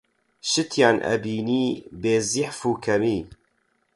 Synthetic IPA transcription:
ʃɨt̪ʰjaːnʔɛ̰biːniːbeːziħfuːkʰɛmiː

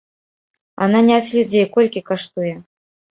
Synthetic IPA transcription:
a̰nanʲat͡sʲlʲud͡zʲejkɔlʲkʲikaʂt̪ujɛ

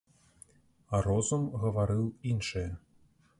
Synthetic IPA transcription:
aɾɔzumɣɐvaɾɨwinʂɨjɐ

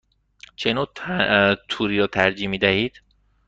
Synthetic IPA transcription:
t͡ʃʰenoː | t̪ʰuːɾiːɾɒːt̪ʰæɾd͡ʒiːmiːd̪æhiːd̪̥

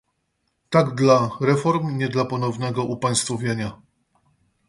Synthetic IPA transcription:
t̪aɡd̪laɾɛfɔɾmɲɛd̪lapɔnɔvnɛɡɔʔupaj̃st̪fɔvʲjeɲa

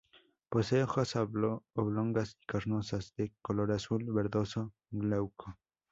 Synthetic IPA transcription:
poseoxasaoβloŋɡasi̥kaɾnosasd̪ekoloɾasulbeɾd̪oso | lawkʰo

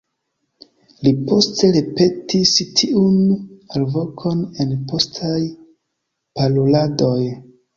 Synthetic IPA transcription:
lipo̞ste̞ɾe̞pe̞tistʰiunalvo̞kʰo̞ne̞npo̞stʰaj | paloladoj

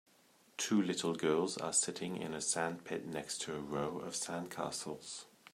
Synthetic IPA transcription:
tʰʉːlɪtʰˡl̩ˠɡɜːlˠzə̰sɪtʰɪ̃ŋɪ̰̃nəsæ̃npʰɪʔⁿnɛkstʰəːɹoʊə̰v̥sæ̃nkʰɑ̰ˑsəl̩ˠz̥

